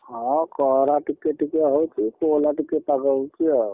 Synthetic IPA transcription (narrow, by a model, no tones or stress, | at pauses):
ɦɔ̃kɔɦɾaʈikːeʈikeɦot͡ʃʰikolaʈikːeʈpaɡəbt͡ʃiɔ